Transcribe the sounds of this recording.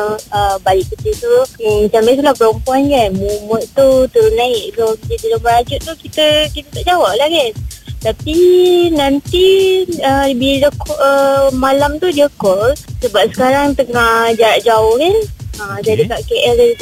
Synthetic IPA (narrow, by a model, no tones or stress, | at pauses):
əbalɪʔkət͡ʃit̪umat͡ʃames̬ulahpəɾɔmpuankanmumət̪t̪ut̪əɾʊnaɪʔsodadilaməɾad͡ʒʊʔt̪ukit̪əkit̪ət̪aʔd͡ʒawaʔlahkant̪apinant̪iəbiləkɔʔəmalamt̪udiəkɔlsəbap̚sə̥kaɾaŋt̪əŋad͡ʒaɾaʔd͡ʒaʊhkanəd͡ʒadikaʔkeʔɛldad